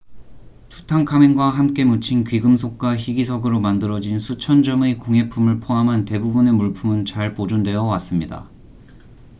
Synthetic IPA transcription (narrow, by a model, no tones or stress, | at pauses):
tu̥tʰaŋkʰameŋɡwaɦamk͈e̞mut͡ɕʰinkɥiɡɯmsʰok̚k͈waçiɡisʰʌɡɯɾomandɯɾʌd͡ʑinsʰut͡ɕʰʌnd͡ʑʌmekoŋɦe̞pʰumɯɭpʰoɦamɦante̞bubune̞muɭpʰumɯnt͡ɕaɭpod͡ʑundwe̞jʌwas͈ɯmɲida̰